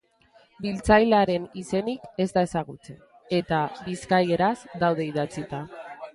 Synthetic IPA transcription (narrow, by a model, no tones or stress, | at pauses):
bilt͡sajlaɾe̞nise̞nike̞zd̪ae̞saɣ̞ut͡se̞n | e̞t̪abiskaje̞ɾazd̪awð̞e̞iðat͡sit̪a